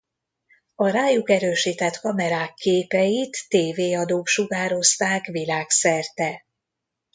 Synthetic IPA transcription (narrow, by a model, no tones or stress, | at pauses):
ɒɾaːjukɛɾøːʃit̪ɛt̪kɒmɛɾaːkʰːeːpɛjit̪ːeːveːɒd̪oːkʃuɡaːɾo̞st̪aːkʋilaːksɛrt̪ɛ